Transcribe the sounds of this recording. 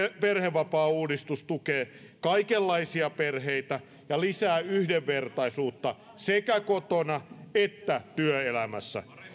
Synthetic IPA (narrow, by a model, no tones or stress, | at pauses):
perheʋːɑpɑːuːdist̪ust̪ukeː | kɑikelːɑisiɑperheit̪æ | jɑlisæːyhdeʋːert̪ɑisuːt̪ːɑ | sekækot̪onɑet̪ːæt̪yøelæmæ̰sːæ̰